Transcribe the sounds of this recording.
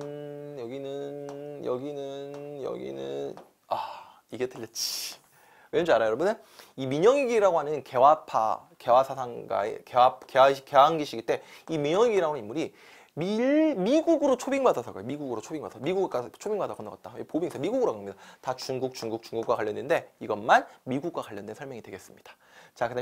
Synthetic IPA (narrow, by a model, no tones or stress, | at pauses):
jʌɡinɯnjʌ̰ɡinɯnjʌ̰ɡḭnɯn | a | iɡetɯʎːʌt̚t͡ɕ͈i̥ | wed͡ʑaɾajʌɾʌbɯne | imiɲʌŋiɡiɾaɡoɦanɯnke̞wapʰa̰ | ke̞wasʰasʰaŋɡa̰ḛkeap̚keaɕke̞aŋɡiɕʰiɡiɭt͈e̞imiɲʌŋiɡiɾaɡonɯnimːuɾi | mimiɡuɡɯɾot͡ɕʰobiŋbadasʰʌɡojomiɡuɡɯɾot͡ɕʰobiŋba̰dasʌmiɡuɡk͈at͡ɕʰobiŋbadakʌnːaka̰t̚t͈aepobiɡisʰʌmiɡuɡɯɾokamɲidatat͡ɕuŋɡuk̚t͡ɕuŋɡuk̚t͡ɕuŋɡuk͈wakwaʎjːʌndende̞iɡʌnmanmiɡuk̚kwakwaʎːʌndwe̞nsʰʌɭmjʌŋidwe̞ɡe̞s͈ɯmɲid̥ḁ | t͡ɕakɯda